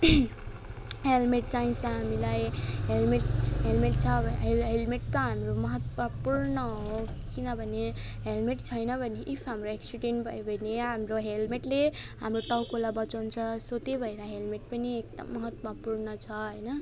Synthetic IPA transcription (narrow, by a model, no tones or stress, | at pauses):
ɦelmeʈ̚t͡ʃaĩsʌ̃ɦamilajɦelmeʈɦelmeʈ̚t͡sʰʌbʱɦelɦelmeʈt̪ʌɦamɾomʌɦʌt̪mʌpuɾnʌɦokinʌbʱʌne | ɦelmeʈt͡ʃʰʌjnʌbʱʌneʔipʰɦamɾoeksiʈenbʱʌjbʱʌneɦamɾoɦelmeʈleɦamɾoʈʌwkolabʌt͡ʃant͡ʃʰʌsot̪ebʱʌjɾaɦelmeʈ̚pʌniek̚d̪ʌ̰mːʌɦʌt̪mʌpuɾnʌt͡ʃʰʌɦʌjnʌ